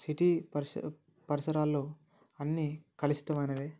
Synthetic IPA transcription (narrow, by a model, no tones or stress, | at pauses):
siʈiːpɐɾs | pɐɾisɐɾaːlːoː | ɐnːikɐlist̪ɐmɐjnɐd̪e